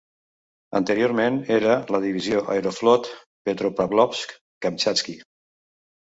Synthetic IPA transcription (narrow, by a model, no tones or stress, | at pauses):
ə̰nt̪əɾioɾmeneɾələðiβizjoʔa̰eɾoflɔt̪ | pet̪ɾopaβlɔpsk | kamt͡ʃaski